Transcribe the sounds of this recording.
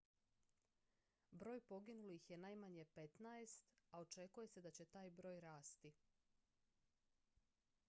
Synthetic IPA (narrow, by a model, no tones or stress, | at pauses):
bɾo̞ːjpo̞ɡinulixje̞naːjmaɲe̞pe̞t̪naest̪ao̞t͡ʃe̞kuje̞se̞d̪at͡ɕe̞t̪aːjbɾo̞ːjɾaːst̪i